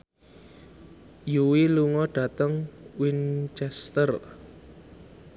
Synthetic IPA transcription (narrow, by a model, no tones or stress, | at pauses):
juwiluŋɔɖ̥ä̤t̪əŋwint͡ʃɛst̪ər